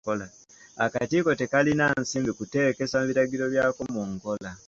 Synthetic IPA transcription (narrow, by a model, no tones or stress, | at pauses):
ola | akatiːko̞te̞kalinansiːmbikute̞ːke̞samuβiɾaɡiɾo̞βjaːkomuŋko̞la